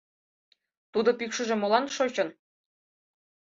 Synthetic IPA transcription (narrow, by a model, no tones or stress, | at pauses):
t̪ud̪opykʃə̆ʒĕmolˠɑnʃot͡ɕɤ̆n